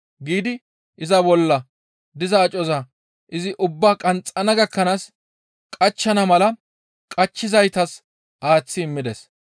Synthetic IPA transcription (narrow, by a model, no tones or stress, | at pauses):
ɡiːd̪ɪ | ʔɪzɐbɔlːɐ | d̪ɪzɐːt͡ʃʼɔzɐ | ʔɪzɪʔʊbːaːkʼɐnt͡sʼɐnɐɡɐkːɐnaːs | kʼɐt͡ʃːɐnɐmɐlɐ | kʼɐt͡ʃːɪzɐjt̪ɐs | ʔaːt͡sːɪɪmːɪd̪ɛs